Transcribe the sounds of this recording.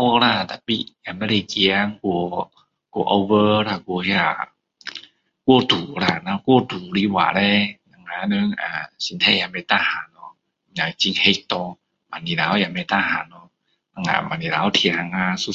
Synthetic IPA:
ɔ˧kɾa˧˩˨t̪a˨˩pi˧a˧˨me˧ɾi˧ki˧a˧ŋku˧ | ko˧˨ʔo˧wə˧ɾa˧˩ko˧hi˧a˧˨˩ | ku˧t̪uː˨˩ɾa˧˩na˧ko˧˨d̪uː˨˩ɾi˧˦wa̰ː˨ɾe˧na˧˨ŋaː˧nɯ˧˦ŋa˨si˧˦nt̪ʰa˧˨ja˧˨me˧˨t̪a˧ha˨˦nːɔ˧ | ja˨˩˨t͡ɕi˧˦ŋhe˧˦k̚t̪ɔ˧ | ma˨nːi˨ɾa˨˦wja˧˨mɛ˧˨t̪a˧ha˨˦nːɔ˧˦ | na˧ŋa̰˧˨ma˧˨ni˨ɾa˨˧˦wt̪ʰi˧˨ha˧ŋa˧su˧˦

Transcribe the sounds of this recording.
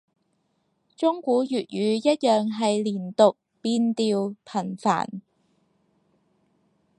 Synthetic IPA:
t͡ʃʊ˥ŋkuː˨˥jyː˨t̚jyː˨˧jɐ˥t̚jœː˨ŋɦɐ˨jliː˨˩nt̪ʊ˨k̚piː˧nt̪iː˨˧wpʰɐ˨˩nfa̰ː˨˩n

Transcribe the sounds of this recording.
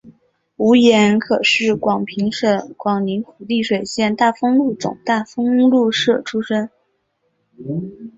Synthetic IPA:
u˧˥jɛ˧˥nkʰɤ˨˩ʂɻ̩˥˩kwɑ˨˩ŋpʰi˧˥ŋʂə˥˩kwɑ˨˩ŋli˧˥nxu˨˩li˥˩ʂwe˨˩ɪɕjɛ˥˧nt̪a˥˩fɤ˥ŋlu˥˩t͡sʊ̰˨˩ŋt̪a˥˩fɤ˥ŋlu˥˧ʂɤ˥˩ʈ͡ʂʰu˥ʂə˥n

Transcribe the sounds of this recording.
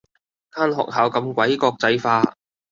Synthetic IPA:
kʰaː˥nɦɔ̰ː˨k̚ɦaː˨˧wkɐ˧mkʷɐ˨˥jkɔː˧k̚t͡sɐ˧jfaː˧

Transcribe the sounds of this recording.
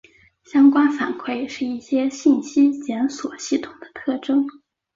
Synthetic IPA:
ɕjɑ˥ŋkwa˥nfa˨˩nkʰwe˥˧ɪʂɻ̩˥˧i˥˩ɕjɛ˥ɕi˥˩nɕi˥t͡ɕjɛ˧˥nswɔ˨˩ɕi˥˩t̪ʰʊ̥˨˩ŋd̪ə̥˦t̪ʰɤ˥˩ʈ͡ʂɤ˥ŋ

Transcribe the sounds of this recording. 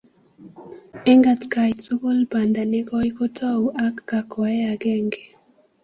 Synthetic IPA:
e˦ŋɡa˨tka˨jt͡su˦ko˦lba˨nd̪a˨ne˦kɔ˦i˦ko˦tʰɔ˦wʔa˦kːa˨kɔ˨ɛ˦a˨ɡɛ˦˨ŋɡe˨

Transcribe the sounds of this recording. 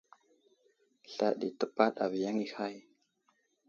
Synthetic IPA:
ɬa˦ɗi˨tə˦pa˦ɗa˨vi˨ja˦ŋi˦ha˦˨j

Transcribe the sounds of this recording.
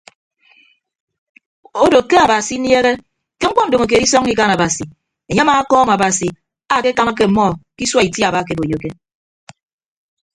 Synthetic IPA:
o˦do˨kːe˦a˨ba˨si˨˦nje˦ɣe˦ | ke˦ŋ͡m̩˦k͡pɔ˦n̩˨do˨ŋo˨k̬e˨di˦sɔ˦ŋi˦ka˦na˨ba˨si˨ | e˨ɲe˦ma˨˦kɔː˦m˨a˨ba˨si˨ | a˨ke˦ka˦ma˦k̬e˦m̩˨mɔ˦˨ki˦swa˦i˨tja˨ba˦˨ke˨bo˨jo˨ke˦

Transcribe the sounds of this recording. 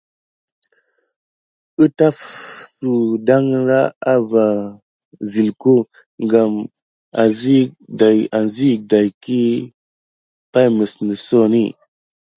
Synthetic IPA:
ə˦ta˦fsu˨da˦ŋɾa˦a˦va˨ | zi˨lku˦ | ŋɡa˨m | a˨zi˦a˨ja˨nzi˦da˨jki˦ | pa˦jmə˨snə˨so˦ni˦˨

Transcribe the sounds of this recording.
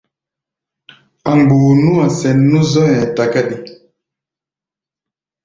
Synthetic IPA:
a˨ŋɡ͡bu˨nu˦a˨sɛ˨nːu˦zɔ˦jɛ̃˨ta˨ka˦ɗi˨

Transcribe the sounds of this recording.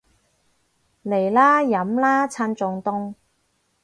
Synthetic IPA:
le˨˩jlaː˥jɐ˨˥mlaː˥t͡sʰaː˧nt͡sʊ˨ŋt̪ʊ˥˧ŋ

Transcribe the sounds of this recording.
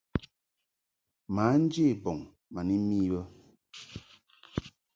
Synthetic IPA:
ma˨˦n̩˦d͡ʒe˦˨bɔ˨ŋ | ma˨ni˦mi˦bə˦

